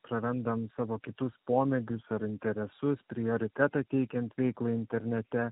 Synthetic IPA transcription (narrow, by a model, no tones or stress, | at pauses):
pɾɐɾʲɛnd̪ɐmsɑːʋoːkʲɪt̪ʊspoːmʲɛɡʲʊsɐɾɪnʲt̪ʲɛɾʲɛsʊspʲɾʲɪoːɾʲɪt̪ʲɛt̪ɑt̪ʲɛɪkʲɛnt̪ʋʲɛɪklˠɐɪnʲt̪ʲɛɾʲnʲɛt̪ʲɛ